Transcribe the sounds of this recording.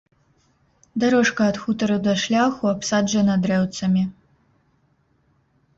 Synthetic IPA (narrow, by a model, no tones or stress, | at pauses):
d̪ɐɾɔʂkɐːt̪xut̪ɐɾɐd̪ɐʂlʲaxuɐpsad͡ʒɐnɐd̪ɾɛwt̪sɐmʲi